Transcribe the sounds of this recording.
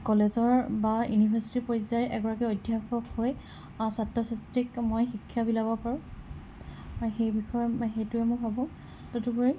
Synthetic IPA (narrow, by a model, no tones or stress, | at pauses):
kɔlezɔɹbajunibʱaɹsi̥tipoɹzajʔɛɡɔɹakɛojdʱjaxɔkhoj | satːɔsastikmojxikʰːjabilabɔpaɹʊ̃ | aɹuxejbixɔjɔxejtʊɛmojbʱabɔ̃ | totupoɹi